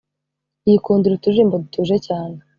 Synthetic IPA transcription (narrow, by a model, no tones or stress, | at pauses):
ijikuːnduɾituʒiːmbodutʰuːʒecaːne